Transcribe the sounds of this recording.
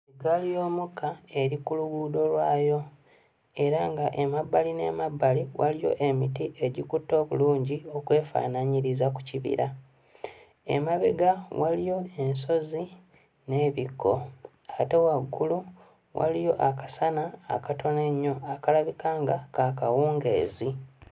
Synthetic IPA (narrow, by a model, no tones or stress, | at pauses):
iɡalijo̞ːmukʰːae̞ɾikuluɡudo̞lwaːjo̞ | e̞ɾaŋɡaʔemabːaline̞̰ːmabːaliwalijo̞̰ʔe̞mitiʔe̞ɟikutːo̞ːβuluːɲɟio̞kwe̞ːfa̰ːnaɲiɾizaku̥ciβḭɾa | ḛmaβeɡawalijo̞e̞nso̞zi | ne̞ːβikʰːo̞̰ | ate̞waɡːulu | wa̰lijo̞ʔakasana̰ːkato̞ne̞ɲːo̞akalaβikaːŋɡakaːkawuːŋɡe̞̰ːzi